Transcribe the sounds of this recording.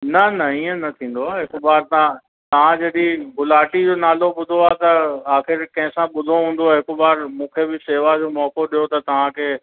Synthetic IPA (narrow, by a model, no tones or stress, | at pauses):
nɐnɐiːə̃nɐt̪ʰĩːn̆d̪oaːɦɪkbaːɾt̪ã | t̪ɐʋ̤ãd͡ʑɐɗĩɦʊlaːʈid͡ʑoːnaːloɓʊd̪ʱoaːt̪ɐaːxɪɾkɐ̃ɦɪ̃sãɓʊd̪ʱoɦũːn̆d̪oaːɦɪkbaːɾmũːkʰeːbɪseːʋad͡ʑoːmɔːkoɗijot̪ɐt̪ɐʋ̤ãkʰeː